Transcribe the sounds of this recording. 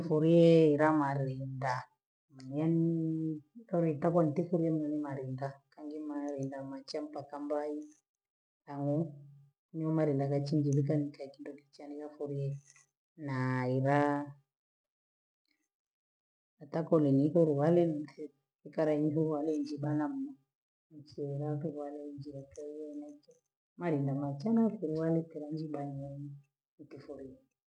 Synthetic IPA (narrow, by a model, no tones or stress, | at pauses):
fuɾiɛiɾamaɾinda | mɲanitɔɾitakɔnitifuɾiɛmuɲanimaɾindakaŋɡimaɾindamat͡ʃampakambai | taŋu | niɔmaɾindakat͡ʃiɲd͡ʒilik̬anikaikindɔkit͡ʃanikafuɾijɛ | naiɾa | atakɔlɛniɦɔɾuwalɛnɛ | ikaɾaiɲiɦuɾuwalɛind͡ʒiɓanam̩ma | nit͡ʃiɛiɾatuɾualɛind͡ʒiɾakɛiɛnat͡ʃɛ | maɾindamat͡ʃanafuɾuwalɛtɛɾand͡ʒiɓaniɛɲi | ikifuɾiɛ